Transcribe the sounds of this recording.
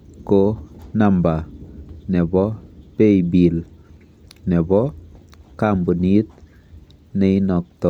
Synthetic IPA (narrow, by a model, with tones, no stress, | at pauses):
konamba˨nɛ˨bɔ˦pe˦jbil | nɛ˨bɔ | kambu˨nit̪̚ | nɛinɔ˨k̚tɔ˨